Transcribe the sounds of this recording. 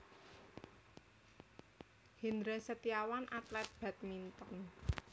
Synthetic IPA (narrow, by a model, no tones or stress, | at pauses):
hind̪ɾesət̪iawanʔat̪lɛt̪̚b̥ɛt̪̚mint̪ɔn